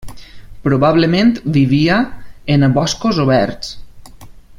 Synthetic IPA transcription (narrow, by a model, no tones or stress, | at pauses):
pɾoβaβlemẽnt̪biβiaenaβɔskozoβɛɾs